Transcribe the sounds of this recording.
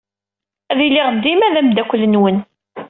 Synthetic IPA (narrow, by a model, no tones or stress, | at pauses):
æðilɪʁd̪ːimæðæmd̪ækʷlːənwən